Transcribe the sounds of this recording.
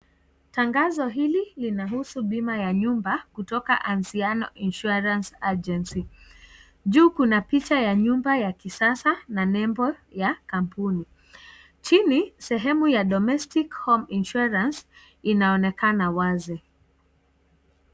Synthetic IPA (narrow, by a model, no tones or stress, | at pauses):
taŋɡazɔɦililinaɦusuɓimajaɲumbakutɔkaʔansianɔʔinʃuaɾansad͡ʒɛnsi | ʄuːkunapit͡ʃajaɲumbajakisasananɛmbɔjakampuni | t͡ʃinisɛɦɛmujaɗɔmɛstikhɔminʃuaɾans | inaɔnɛkanawazɛ